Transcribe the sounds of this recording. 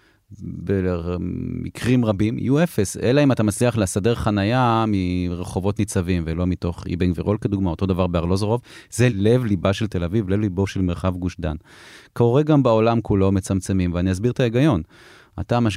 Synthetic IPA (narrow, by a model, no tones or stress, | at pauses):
be | mikʁimʁabimḭjuefeselaimat̪amat͡sliaχlesade̞ʁχanajamiʁeχo̞vo̞t̪nit͡savimvelo̞mito̞χḭbeŋɡveʁolkeduɡmao̞t̪o̞davaʁbeaʁlo̞zoʁovzelevlibaʃelt̪e̞lavivlevlibo̞ʃe̞lme̞ʁχavɡuʃd̪a̰n | koʁeɡambao̞lamkulo̞met͡samt͡se̞mimveaniazbiʁt̪aeɡajo̞n | a̰tamaʃ